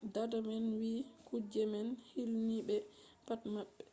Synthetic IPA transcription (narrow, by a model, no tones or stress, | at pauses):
dadamɛnwikud͡ʒɛmɛnhilniɓɛpatmaɓːɛ̥